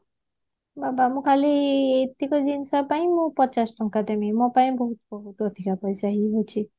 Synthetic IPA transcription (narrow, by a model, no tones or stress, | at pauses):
babamukʰaliet̪ːikɔd͡ʒinsaɾpaĩmõpɔt͡ʃasʈɔŋkad̪emimõpaj̃bɔɦut̪ɔbɔɦut̪od̪ʱikapɔjsaɦiɦojt͡ʃʰi